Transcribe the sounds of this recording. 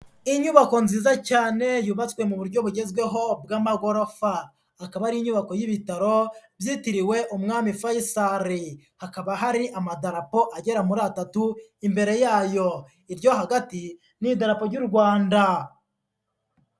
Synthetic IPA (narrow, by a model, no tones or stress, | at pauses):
iɲuβako̞nziːzacaːne̞juβat͡swe̞muβuɾɟo̞βuɟe̞zɡwe̞ɦo̞b̚ɡaːmaɡo̞ɾofaː | kaβaɾiɲuβako̞jiβitaɾo̞bjitiɾiwe̞ʔumŋaːmifajisaɾi | hakaβaɦaɾiʔamadaɾapo̞ʔaɟe̞ɾamuɾatatuimbe̞ɾe̞jaːjo̞ | iɾjo̞ɦaɡati | nidaɾapo̞ɾɟuɾɡwaːnda